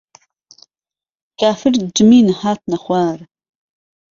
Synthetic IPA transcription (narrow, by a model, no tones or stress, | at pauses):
kʰʼaːfɪrd͡ʒɨmiːnɨħaːt̚ʰnɐχʷaːr